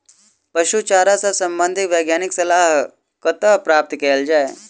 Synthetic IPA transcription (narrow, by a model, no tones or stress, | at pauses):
pɐʃut͡ʃaːɾasasɐ̃mbə̃nd̪ʱɪkʋeːɡjaːnɪksɐlaːɦ | kət̪əpɾaːp̚t̪keːld͡ʒaːe